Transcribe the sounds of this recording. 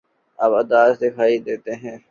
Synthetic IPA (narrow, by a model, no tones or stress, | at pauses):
ɐbɐd̪aːzd̪ɪkʰaːid̪eːt̪eɦɛ̃ː